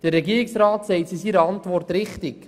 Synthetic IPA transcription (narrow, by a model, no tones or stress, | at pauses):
d̥ərːɛɡiːɾɪksɾaːtsɛɪtsisiɾəɑntʋɔrtɾɪχtɪk